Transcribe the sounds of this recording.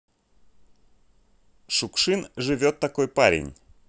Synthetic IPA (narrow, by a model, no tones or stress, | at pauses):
ʂʊkʂɨnʐɨvʲo̞t̪ːɐko̞jpaɾʲɪ̰nʲ